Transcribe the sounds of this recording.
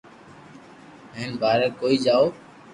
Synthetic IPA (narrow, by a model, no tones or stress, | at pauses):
eːnbʱaːɾeːkoːiːd͡ʒaːoː